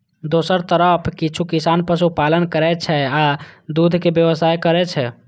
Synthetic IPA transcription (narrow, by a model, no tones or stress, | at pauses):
d̪osəɾt̪əɾəpʰkit͡ʃʰukisanpəsupalənkəɾɛt͡ʃʰɛad̪ud̪ʱkebjəʋəsajkəɾɛt͡ʃʰɛ